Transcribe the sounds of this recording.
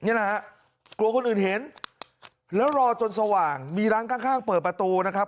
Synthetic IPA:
ni˦˥˨la˦˥ha˦˥ʔ | klu˧ɐkʰo˧nʔɯː˨˩nhe˨˩˦n | lɛː˦˥wɾɔː˧t͡ɕo˧nsa˧waː˨˩ŋmiː˧ɾaː˦˥nkʰaː˥˩ŋkʰaː˥˩ŋpɤː˨˩t̪̚pɾa˧t̪uː˧na˦˥kʰa˦˥p̚

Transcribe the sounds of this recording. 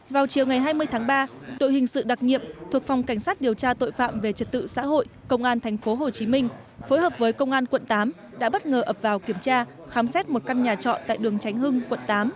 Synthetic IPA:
vaː˨˩wt͡ɕi˨˩əwŋa˨˩jɦaː˧jmɨ˧əjt̪ʰaː˨˦ŋɓaː˧ɗo̰˧˨jhï˨˩ŋ̟sɨ̰˧˨ɗa˨˩t̚ɲḭ˧˨əmt̪ʰu˨˩ək̚fwŋ͡mka˧˩jŋ̟saː˦˥t̚ɗi˨˩əwt͡ɕaː˧t̪o̰˧˨jfa̰ː˧˨mve˨˩t͡ɕə˨˩t̚t̪ɨ̰˧˨sa̰ː˧˥ɦo̰˧˨jkə˧wŋ͡mʔaː˧nt̪ʰɛ˨˩jŋ̟fo˨˦ɦo˨˩t͡ɕi˨˦mï˧ŋ̟ | fo˨˦jhəː˨˩p̚vəː˨˦jkə˧wŋ͡mʔaː˧nkwə̰˧˨nt̪aː˨˦m | ɗa̰ː˧˥ɓə˦˥t̚ŋəː˨˩ʔəː˨˩p̚vaː˨˩wki˧˩əmt͡ɕaː˧ | xaː˨˦msɛ˦˥t̚mo˨˩t̚ka˧nɲaː˨˩t͡ɕɔ̰˧˨nt̪a̰˧˨jɗɨ˨˩əŋt͡ɕa˨˦jŋ̟ɦɨ˧ŋkwə̰˧˨nt̪aː˨˦m

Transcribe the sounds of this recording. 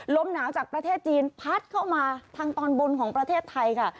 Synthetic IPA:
lo˦˥mnaː˩˦wt͡ɕaː˨˩k̚pɾa˧t̪ʰeː˥˩t̪̚t͡ɕiː˧npʰa˦˥t̪̚kʰa˥˩wmaː˧t̪ʰaː˧ŋt̪ɔː˧nbo˧nkʰɔː˩˦ŋpɾa˧t̪ʰeː˥˩t̪ʰːa˧jkʰa˥˩

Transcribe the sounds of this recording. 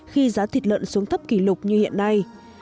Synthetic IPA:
xi˧zaː˨˦t̪ʰi˨˩t̚lə̰˧˨nsu˨˦əŋt̪ʰə˦˥p̚ki˧˩lʊ˨˩k͡p̚ɲɨ˧hḭ˧˨ənːa˧j

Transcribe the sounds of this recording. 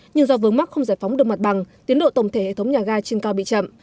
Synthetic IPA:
ɲɨ˧ŋzɔ˧vɨ˨əŋma˦˥k̚xə˧wŋ͡mzaː˧˩jfɔ˨˦wŋ͡mɗɨ˨˩ək̚ma˨˩t̚ɓa˨˩ŋt̪i˨˦ənɗo̰˧˨t̪ə˧˩wŋ͡mt̪ʰe˧˩hḛ˧˨t̪ə˨˦wɲaː˨˩ɣaː˧t͡ɕi˧nkaː˧wɓḭ˧˨t͡ɕə̰˧˨m

